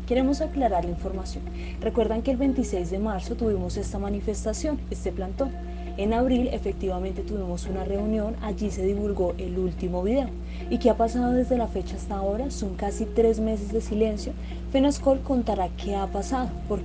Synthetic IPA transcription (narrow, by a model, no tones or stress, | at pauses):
ke̞ɾe̞mo̞saklaɾaɾlaiɱfo̞ɾmasjo̞̰n | rekwe̞ɾd̪aŋkeːlβe̞nt̪ise̞jzd̪e̞maɾso̞t̪uβimo̞se̞st̪amanife̞st̪asjo̞ne̞st̪e̞plant̪o̞ | e̞naβɾile̞̰fe̞k̚t̪iβamẽ̞nt̪e̞t̪uβimo̞sunare̞unjo̞nad͡ʒise̞ðiβulɡo̞ʔe̞lult̪imo̞βiðe̞o | ike̞apasaðo̞ðe̞zd̪e̞lafe̞t͡ʃaast̪ao̞ɾaso̞ŋkasit̪ɾe̞zme̞s̬e̞zd̪e̞sile̞nsjo̞ | fenosko̞lko̞nt̪aɾakʰe̞apasaðo̞poɾ